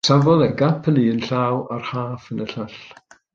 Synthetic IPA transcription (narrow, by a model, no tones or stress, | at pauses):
savɔðɛɡapʰəniənɬaːwarhaːfənəɬaɬ